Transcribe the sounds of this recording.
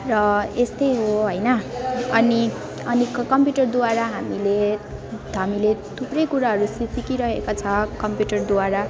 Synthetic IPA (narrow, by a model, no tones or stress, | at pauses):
rʌest̪ʌjɦoɦʌjnʌʌni | ʌnikkʌmpjuʈʌrd̪uaɾaɦamile | ɦamilet̪ʰuprʌjkuɾaɦʌɾusisikiɾʌɦekat͡sʰʌkʌmpjuʈʌrd̪uwaɾa